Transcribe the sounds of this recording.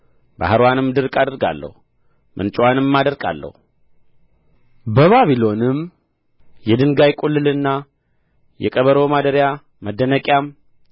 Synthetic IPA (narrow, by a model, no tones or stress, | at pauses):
ba̰hɨɾwanɨmd̪ɨɾkʼad̪əɾɡa̰lːə̰hu | mʔɨ̰nt͡ʃʼwanɨmːad̪əɾkʼa̰lːə̰hu | bəβaβilo̞nɨm | jɛd̪ɨŋɡajkʼulːɨlɨnːa | jɛ̰kʼəβəɾomad̪əɾja | məd̪ːənəkʼjam